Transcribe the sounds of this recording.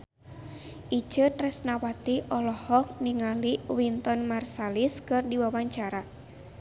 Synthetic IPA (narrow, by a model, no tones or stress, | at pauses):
ʔit͡ʃɨt̪rɛsnawat̪iʔɔlɔhɔk̚niŋaliwint̪ɔnmarsaliskɨrdiwawaɲt͡ʃaɾa